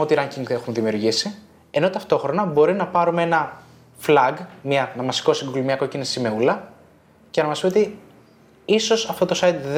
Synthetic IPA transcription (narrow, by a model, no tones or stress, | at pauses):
o̞t̪iɾɐɲcʲiŋɡe̞xumðimiuɾʝisi | e̞no̞t̪ɐft̪o̞xɾo̞nɐbo̞ɾinɐpɐɾumee̞nɐ | flɐɡmɲɐnɐmɐsi̥ko̞siŋɡulumiɐko̞cinisime̞ulɐ | ceɐnɐmɐspieot̪i | iso̞sɐft̪ot̪o̞sɐjd̪ð